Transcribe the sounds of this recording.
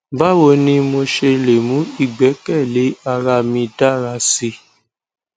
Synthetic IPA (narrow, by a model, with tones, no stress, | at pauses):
ba˦wo˧nĩ˧mo˧ʃe˧le˨mũ˨˦i˦˨ɡ͡bɛ˨˦kɛ˦˨le˨˦a˧˨ɾa˧mĩ˧da˦˨ɾa˧si˧